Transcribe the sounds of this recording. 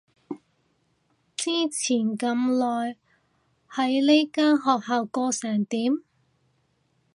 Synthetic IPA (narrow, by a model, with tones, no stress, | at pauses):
t͡siː˥t͡sʰiː˨˩nkɐ˧mlɔː˨j | hɐ˨˥jle˥jkaː˥nɦɔː˨k̚haː˨˧wkɔː˧sɛː˨˩ŋt̪iː˨˥m